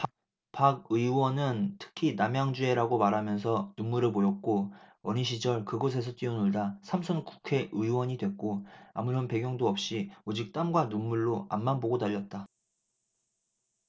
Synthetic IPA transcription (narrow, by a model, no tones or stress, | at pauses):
paɡ̚ɯiwʌnɯntʰɯ̥kʰinamjaŋd͡ʑue̞ɾaɡomaɾamjʌns̬ʰʌnunmuɾɯɭpojʌk̚k͈oʌɲiɕ̬ʰid͡ʑʌɭkɯɡʌs̬ʰe̞s̬ʰʌt͈iʌnuɭdasʰamsʰʌnku̥kʰe̞ʔɯiwʌɲidwe̞k̚k͈oa̰muɾʌnpe̞ɡjʌŋdoʌp̚ɕ͈iod͡ʑik̚t͈amɡwanunmuɭːoa̰mːanboɡodaʎːʌt̚t͈a